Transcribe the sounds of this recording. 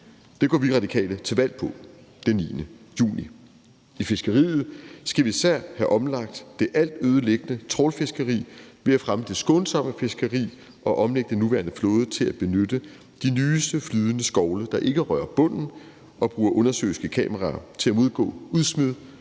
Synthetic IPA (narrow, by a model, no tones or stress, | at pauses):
d̥e̝ɡ̥ɒ̰ːʋiʁɑ̈d̥ikʰɛ̰ːlət͡sʰe̝lʋæl̰pʰɒ̽d̥enːiːnəjṵːni | ife̝sɡ̥ɐʁḭːð̩ˠsɡ̥æʋiisæɐ̰hæʔɒ̽mlɑ̈ɡ̥̚d̥ːe̝ʔæl̰d̥øːð̞ˠəleɡ̥ənət͡sʰʁɒlfe̝sɡ̥əʁḭːʋe̝æfʁaməd̥e̝sɡ̥ɔ̽nsɒ̽m̰əfe̝sɡ̥ɐʁḭː | ʔɒ̽ʔɒ̽mleɡ̥̚d̥ənuʋæɐnəfloːðˠət͡sʰe̝læb̥e̝nød̥ə | d̥inyːsd̥əflyð̞ˠənəsɡ̥ɒʊləd̥ɑ̈ʔe̝ɡ̥əʁɶɐb̥ɔ̽n̰n̩ | ʔɒ̽b̥ʁuːɐʔɔ̽nɐsø̰ːɪsɡ̥əkʰɛ̰ːməʁɑːt͡sʰe̝læmo̝ð̞ˠɡ̥ɔ̰̽ːuðˠsmyðˠ